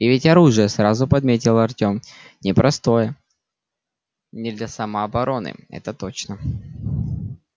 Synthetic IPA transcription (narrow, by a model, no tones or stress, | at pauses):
ɪvʲɪtʲɐɾuʐɨjəsɾazʊpɐd̪mʲet̬ʲɪlˠəɐrtʲo̞mnʲɪpɾɐst̪o̞jə | nʲɪd̪lʲɐsɐməɐbɐɾo̞nɨ̰ɛ̰t̪ət̪ot͡ɕnə